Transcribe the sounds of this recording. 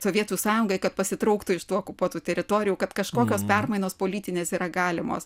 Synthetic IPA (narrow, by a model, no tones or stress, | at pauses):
soːʋʲiɛt̪usɑːjʊŋɡɐɪkɐt̪pɐsʲɪt̪ɾɐʊkt̪ʊɪʃt̪uːokʊpuɔt̪uːt̪ʲɛɾʲɪt̪oːɾʲɪjuːkɐt̪kɐʃkoːkʲoːspʲɛrmɐɪnoːspoːlʲiːt̪ʲɪnʲeːsiːɾɐɡɑːlʲɪmo̰ːs